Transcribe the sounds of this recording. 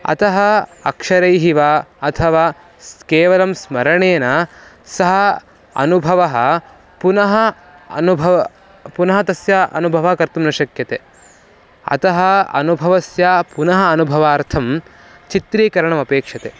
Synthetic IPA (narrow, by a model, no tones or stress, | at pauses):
ɐ̰t̪ɐɦɐɐ̰kʂɐɾɐjɦiʋaːɐt̪ʰɐʋaː | skeːʋɐlɐmsmɐɾɐɳeːnɐ | sɐɦɐ | ɐ̰nubʱɐʋɐɦɐ̆ | punɐɦɐ | nubʱɐʋ | punɐɦɐt̪ɐsjaʔɐ̰nubʱɐʋakɐɾt̪umnɐʃɐkjɐt̪e | ɐ̰t̪ɐɦɐɐ̰nubʱɐʋɐsjapunɐɦɐːnubʱɐʋaːɾt̪ʰɐm | t͡ʃit̪ɾiːkɐɾɐɳɐmɐpeːkʂɐt̪e